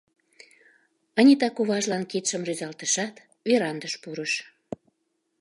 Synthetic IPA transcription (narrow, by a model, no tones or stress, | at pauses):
ənʲit̪ɑkuβɑʒlɑnkit̪ʃəmryzɑlt̪əʃɑt̪ | βeɾɑnd̪əʃpuɾəʃ